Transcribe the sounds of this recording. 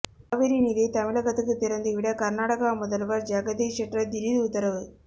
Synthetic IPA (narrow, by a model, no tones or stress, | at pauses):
aʋeɾiniðɐjt̪ɐmɪɭɐɡɐt̪ːɯkːɯt̪iɾɐnd̪ɯʋiɽɐkɐɾnaːʈɐkɐmɔðɐlʋɐɾd͡ʒaːɡɐd̪iʂɐʈɾɐd̪iɾid̪ːt̪ːɐɾɐʋɯ